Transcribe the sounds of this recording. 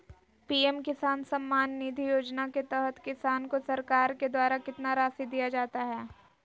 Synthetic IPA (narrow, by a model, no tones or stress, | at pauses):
piːemkɪsaːnsɐmːaːnːid̪ʱijoːd͡ʒnaket̪ɛɦət̪kɪsaːnkosɐɾkaːɾked̪waːɾakɪt̪naɾaːsid̪ijad͡ʒaːt̪aɦɛː